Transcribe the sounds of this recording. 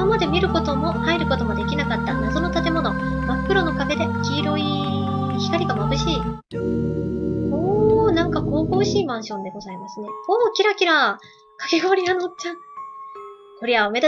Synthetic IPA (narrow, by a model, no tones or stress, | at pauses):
amad̪e̞mʲiɾɯ̟ko̞t̪o̞mo̞haiɾɯ̟ko̞t̪o̞mo̞d̪e̞kʲinakat̪ːanazo̞no̞t̪at̪e̞mo̞no̞ | makːɯ̟ɾo̞no̞kaɡe̞d̪e̞kʲiːɾo̞i | çʲi̥kaɾʲiɡamabɯ̟ɕiː | oːnãŋkako̞ːko̞ːɕiːmãɰ̃ɕõ̞nd̪e̞ɡo̞zaimasɨne̞oːkʲiɾakʲiɾa | kḁke̞ɡo̞ɾʲianot͡ɕã | ho̞ɾʲiaome̞d̪a